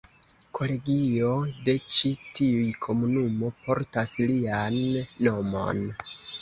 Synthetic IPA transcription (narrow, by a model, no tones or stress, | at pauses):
kʰo̞le̞ɡio̞de̞t͡ʃitiujkʰo̞munumo̞pʰo̞ɾtaslianːo̞mo̞̰n